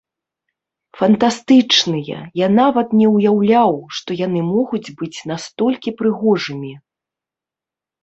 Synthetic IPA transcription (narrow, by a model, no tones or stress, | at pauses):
fɐnt̪ast̪ɨt͡ʂnɨjɐ̰janavɐt̪nʲɛwjawlʲawʂt̪ɔjanɨmɔɣud͡zʲbɨt͡sʲnast̪ɔlʲkʲipɾɨɣɔʐɨmʲi